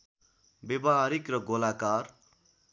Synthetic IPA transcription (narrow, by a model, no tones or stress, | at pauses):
bebʌɦaɾikrʌɡolakar